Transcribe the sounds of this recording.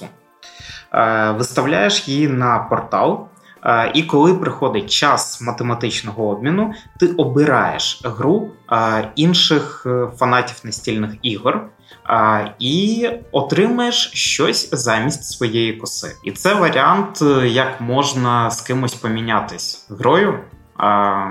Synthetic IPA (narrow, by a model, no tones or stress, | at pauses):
ʋɪst̪ɐwlʲa̰jeʃjinɐpɔrt̪ɑlˠ | ʔikɔlˠɪpɾɪxɔd̪ɪt̚ʲt͡ʃɑsmɐt̪emɐt̪ɪt͡ʃnɔɦɔɔb̚ʲmʲinʊt̪ɪʔɔbɪɾɑ̰jḛʃɦɾu | inʃɪxfɐnɑtʲiwnɐsʲtʲilʲnɪxiɦr | iɔt̪ɾɪmɐjeʃʃt͡ʃɔsʲzɑmʲisʲtʲsʋɔjejikʊsɪ̰ḭt̪sɛʋɐɾʲiant̪jɐkmɔʒnɐskɪmʊsʲpɔmʲinʲat̪ɪsʲɦɾɔjʊ